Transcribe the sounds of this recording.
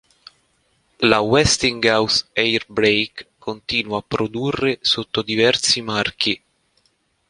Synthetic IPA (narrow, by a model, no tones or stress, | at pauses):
lawɛst̪iŋɡawsejrbɾejkʰː | ont̪iːnuwaːpːɾod̪urːesot̪ːod̪ivɛrt̪simark̟i